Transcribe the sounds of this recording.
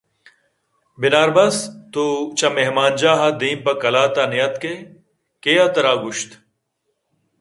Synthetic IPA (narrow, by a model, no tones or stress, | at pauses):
bɪnaːɾbɐst̪ut͡ɕɐmeɦmaːnd͡ʑaːɦɐd̪iːmpɐkɐlaːt̪ɐnijɐt̪ke | kejɐt̪ɐɾaːɡuɕt̪